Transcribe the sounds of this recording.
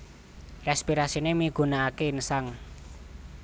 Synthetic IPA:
rɛspiɾasinemiɡ̥ṳnaːkensaŋ

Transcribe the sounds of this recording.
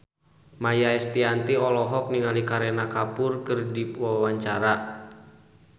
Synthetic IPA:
majaɛst̪iant̪iɔlɔɦɔk̚niŋalikaɾɛnakapʊrkɨrdiwawaɲt͡ʃaɾa

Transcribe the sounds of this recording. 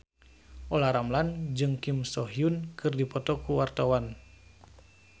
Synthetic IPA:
ʔɔlaɾamland͡ʒɨŋkimsɔɦiunkʰɨrdipɔt̪ɔkuwart̪awan

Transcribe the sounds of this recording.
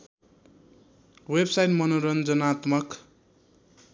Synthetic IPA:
websajʈmʌnoɾʌnd͡zʌnat̪mʌk

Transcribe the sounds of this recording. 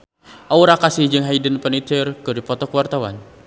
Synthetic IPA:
ʔauɾakasɪhd͡ʒɨŋɦaidənpənit̪ərkɨrdipɔt̪ɔkəwart̪awa̰n

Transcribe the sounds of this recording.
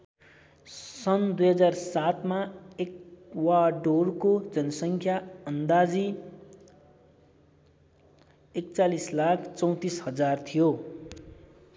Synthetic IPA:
sʌnd̪ujɦʌd͡zarsat̪maekwaɖorkod͡zʌnʌsʌŋkʰjaʌnd̪ad͡zi | ek̚t͡salislakʰt͡sʌw̃t̪ishʌd͡zart̪ʰijo

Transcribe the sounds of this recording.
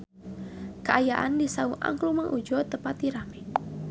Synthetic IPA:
kəʔajaʔa̰ndisauʔa̰ŋklumaŋʔud͡ʒɔt̪əpat̪iɾamɛ

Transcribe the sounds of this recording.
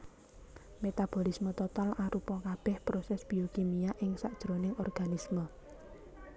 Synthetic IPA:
met̪ab̥olismət̪ɔt̪alaɾupɔkab̥ɛhpɾosɛsb̥i̤okimijaʔɪŋsaʔd̥ʒ̥ɾonɪŋɔrɡ̥anismə

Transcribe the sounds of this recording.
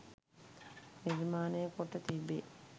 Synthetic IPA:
niɾmaːnejəkoʈːət̪ibːeː

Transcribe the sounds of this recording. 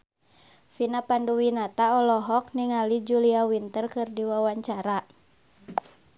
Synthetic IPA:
finapanduwinat̪aɔlɔɦɔk̚niŋalid͡ʒuliawint̪ərkɨrdiwawaɲt͡ʃaɾa

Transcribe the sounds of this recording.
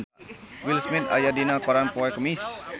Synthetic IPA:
wilsmit̪a̰jadinakoɾanpɔɛkəmis

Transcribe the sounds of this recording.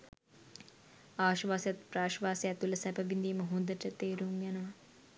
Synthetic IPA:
aːʃʋaːsjat̪praːʃʋaːseæt̪ulɐsæbəbind̪iːməɦund̪əʈət̪eːɾuŋjanəʋɐ

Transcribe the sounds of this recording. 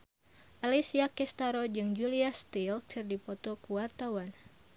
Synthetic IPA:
ʔalisiakɛst̪aɾod͡ʒɨŋd͡ʒuliast̪ilkʰɨrdipɔt̪ɔkuwart̪awan

